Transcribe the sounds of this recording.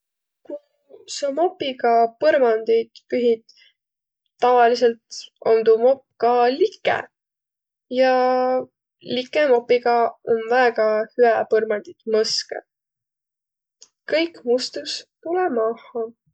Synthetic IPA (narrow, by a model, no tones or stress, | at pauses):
ku | sɑmopːiɡɑpɤɾmɑnd̪̥ijd̪̥pyɦid̪̥ | ɑvɑlis̬e̞lt̪ond̪umo̞p̚ːkɑlikːˑḛ | jɑ | likˑːemo̞pːiɡɑo̞nvæːɡ̥ɑhyæpɤrmɑnd̪̥id̪̥mɤskḛ | kɤjkmust̪ust̪ulɛmɑhɑ